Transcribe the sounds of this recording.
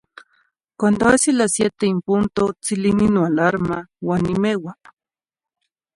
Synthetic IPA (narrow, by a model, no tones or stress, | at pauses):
kwand̪oasilasjet̪eimpunt̪ot͡silininoalaɾmawanimewaŋ